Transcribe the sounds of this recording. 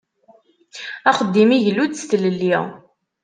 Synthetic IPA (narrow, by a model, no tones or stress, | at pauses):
æχəd̪ːimiʝlud̪st̪ləlːi